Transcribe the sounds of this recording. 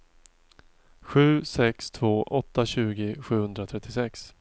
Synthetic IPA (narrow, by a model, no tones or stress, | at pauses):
ɧʉ̟ːsɛkst̪ʰv̥oːʔɔt̪ːaɕʉ̟ːɡɪɧʉ̟ːhɵnd̪ɾat̪ʰɾɛt̪ʰːɪsɛks